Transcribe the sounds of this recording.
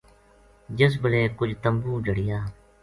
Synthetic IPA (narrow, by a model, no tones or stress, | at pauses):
d͡ʒəsbəleːkʊd͡ʒt̪əmbuːd͡ʒəɽɪjaː